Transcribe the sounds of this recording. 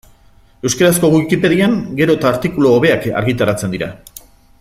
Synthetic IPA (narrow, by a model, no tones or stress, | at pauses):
e̞wskaɾasko̞ɣwikipe̞ðiaŋɡe̞ɾo̞t̪aːɾt̪ikuloːβ̞e̞aka̰ɾɣit̪aɾat͡se̞nd̪iɾa̰